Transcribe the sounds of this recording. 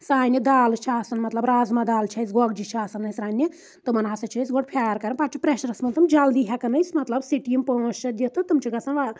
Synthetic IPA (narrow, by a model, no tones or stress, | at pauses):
saːjnʲid̪aːlt͡ʃʰiaːsɐnmɐt̪lɐbɾaːzmad̪aːlt͡ʃʰɐjsɡɔɡd͡ʒit͡ʃʰiaːsɐnːɐjsɾaːnʲːi | t̪ɨmɐnasɐt͡ʃʰɐsɡoʈpʰʲaːjɾkɐɾɐpaʈt͡ʃʰipɾeʃɐɾɐsmɐnt̪ɐmd͡ʒɐld̪iɦʲakɐnɐjsmɐt̪lɐbsiʈimpɐ̃st͡ʃʰɐd̪ʲjit̪ʰɨt̪ɨmt͡ʃʰiɡɐsɐnʋa